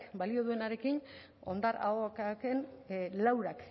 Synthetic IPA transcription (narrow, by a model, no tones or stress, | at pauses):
balio̞ð̞ue̞naɾe̞kin | o̞nd̪aɾa̰okakenlawɾak